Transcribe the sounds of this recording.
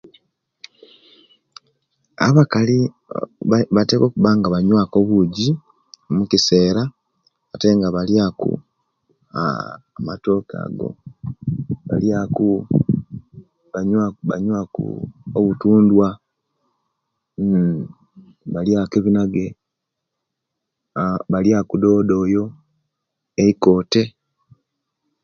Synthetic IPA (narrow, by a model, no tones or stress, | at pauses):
a̰βakali | βateko̞ːkuβaːŋɡaβaɲwako̞βuɟi | mukise̞ːɾa | βate̞ŋɡaβaljakṵ | a̰ | mato̞ːka̰ːɡo̞̰ | βaljaku | βaɲβa̰ɲwakṵoβutuːndwa | βaljakeβinaɡe̞ | βaljakudo̞ːdo̞ːjo̞ | eiko̞ːte̞